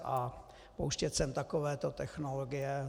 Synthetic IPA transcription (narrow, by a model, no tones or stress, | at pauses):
ʔa | powʃcɛt̪sɛmt̪akovɛːt̪ot̪ɛxnoloɡɪjɛ